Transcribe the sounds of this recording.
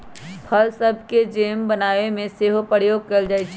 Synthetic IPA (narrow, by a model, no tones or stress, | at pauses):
pʰəlsəbʱked͡ʒeːmbənaːʋemẽseːɦopəɾjoːɡ̚kɐld͡ʒaːit͡ʃʰ